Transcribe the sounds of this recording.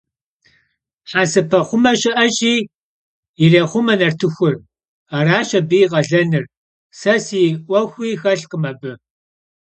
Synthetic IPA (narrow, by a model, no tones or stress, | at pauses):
ħasɨpʰɐχʷʊmɐʃʼɪʔɐɕʼiː | ɪɮeːχʷʊmɐnɐrtʰɨxʷʊr | ɐraːʃɐbijʁɐɮɐnɨr | sɐsiːʔʷɐxʷiːxɐɬqəmɐbɨ